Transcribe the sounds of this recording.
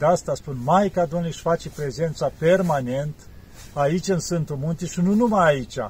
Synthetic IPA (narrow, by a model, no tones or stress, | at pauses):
d̪ast̪aspunmajkad̪omnliʃfat͡ʃepɾe̞ze̞nt̪sape̞rmane̞nt̪ | ait͡ʃʲɨnsɨnt̪umunt̪iʃinunumajait͡ʃʲa̰